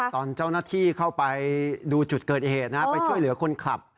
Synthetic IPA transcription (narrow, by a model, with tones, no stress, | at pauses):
t̪ɔː˧˩nt͡ɕa˥˩wnaː˥˩t̪ʰiː˥˩kʰa˥˩wpa˧jduː˧t͡ɕu˨˩t̪̚kɤː˨˩t̪̚heː˨˩t̪̚na˦˥pa˧jt͡ɕʰu˥˩əjlɯ˩˦ɐkʰo˧nkʰla̰˨˩p̚